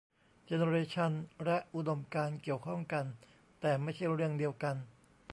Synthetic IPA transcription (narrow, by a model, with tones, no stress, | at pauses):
t͡ɕe˧ne˧ɾeː˧t͡ɕʰa˧nlɛ˦˥ʔʔu˧do˧mkaː˧nki˨˩əwkʰɔ˥˩ŋka˧n | t̪ɛː˨˩ma˥˩jt͡ɕʰa˥˩jɾɯ˥˩əŋdi˧əwka˧n